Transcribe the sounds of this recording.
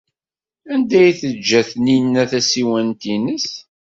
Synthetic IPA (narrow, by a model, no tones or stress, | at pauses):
ænd̪æjθəd͡ʒːæθninːæθæsiwænt̪inəs